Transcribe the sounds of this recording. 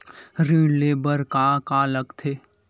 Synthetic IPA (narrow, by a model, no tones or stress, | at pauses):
ɾiːɽleːbəɾkakaːləɡt̪ʰeː